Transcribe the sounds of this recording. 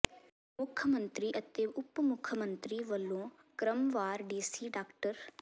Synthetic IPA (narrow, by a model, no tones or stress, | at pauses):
mʊkʰəmə̃nt̪ɾiːʔət̪eːʊpːmʊkʰəmənt̪ɾiːʋəlːõː | kɾəmʋaːɾɖiːsiːɖaːkʈəɾ